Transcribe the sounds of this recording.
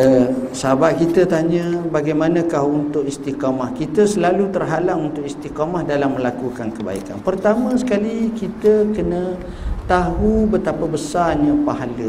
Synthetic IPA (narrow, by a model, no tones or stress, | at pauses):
əsəabaʔ̚kit̪ət̪aɲə̃baɡajmanãkahunt̪ʊʔist̪ikamahkit̪əsəlalut̪ərɦalaŋunt̪ʊʔist̪ikamahdalamːəlakukankəba̰ḭka̰npərt̪amə̃sə̥kalikit̪əkənə̃ | t̪aɦubət̪apabəsarɲapaɦalə